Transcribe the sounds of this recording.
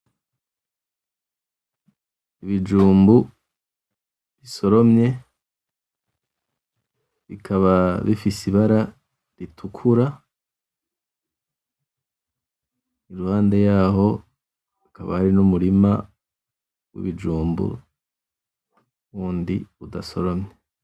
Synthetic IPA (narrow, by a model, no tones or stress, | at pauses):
iβid͡ʒuːmbu | βiso̞ɾo̞mɲe̞ | βikʰaβaβifisiβaɾa | ɾitʰukʰuɾa | iɾuhaːnde̞jaːɦo̞ | ikaβa̰haɾinumuɾima̰ | wḭβid͡ʒuːmbṵ | βuːndḭudaso̞ɾo̞mɲe